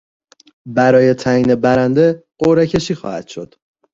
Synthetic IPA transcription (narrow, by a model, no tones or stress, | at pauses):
bæɾɒːje̞t̪ʰæiːne̞bæɾænd̪e̞ɢoɾecʰe̞ʃiːxɒ̰ːhæ̰d̪̥ʃo̞̰d̪̥